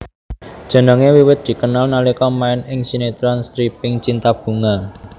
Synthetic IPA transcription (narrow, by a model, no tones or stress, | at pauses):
d̥ʒ̥ə̤nəŋewiwɪt̪̚d̪̥i̤kənalnalikɔmaɪnɪŋsinet̪ɾɔnst̪ɾipɪŋt͡ʃint̪ab̥ṳŋa